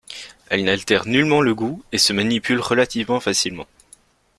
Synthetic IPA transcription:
ɛlnalt̪ɛʁnylmɑ̃ləɡuesəmanipylʁəlat̪ivmɑ̃fasilmɑ̰̃

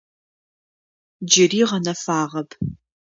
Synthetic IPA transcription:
d͡ʒɪriːʁɐnɐfaːʁɐpʰ

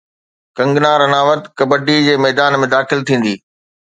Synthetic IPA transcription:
kɐ̃ŋɡnaːɾɐnaːʋət̪kɐbəɖid͡ʑeːmɛːd̪aːnmẽd̪aːxɪlt̪ʰĩːn̆d̪iː

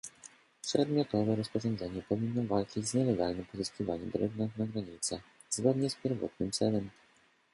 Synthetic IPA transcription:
pʂɛd̪mʲjɔt̪ɔvɛɾɔspɔʐɔnd̪zɛɲɛpɔvʲinːɔvalt͡ʂid͡ʑzɲɛlɛɡalnɘmpɔzɨskʲivaɲɛmd̪ɾɔɡnaɡnaɡɾaɲit̪sɛ | zɡɔd̪ɲɛspʲjɛɾvɔ̰t̪̚nɘmt̪sɛlɛm

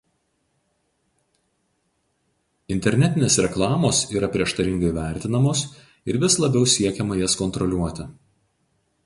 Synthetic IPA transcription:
ɪnʲt̪ʲɛɾʲnʲɛt̪ʲɪnʲeːsɾʲɛklˠɑːmoːsiːɾɐpʲɾʲiɛʃt̪ɐɾʲɪŋɡɐɪʋʲæˑɾʲt̪ʲɪnɐmoːs | ɪɾʋʲɪslˠɐbʲɛʊsʲiɛkʲɛmɐjɛskɔnt̪ɾɔlʲuɔt̪ʲɪ

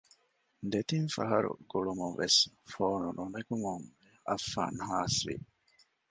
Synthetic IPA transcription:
d̪et̪infɐɦɐɾṵɡ̥uɭumunʋesfoːnununɐkumuŋ | ɐfːa̰ːnɦaːsʋḭ

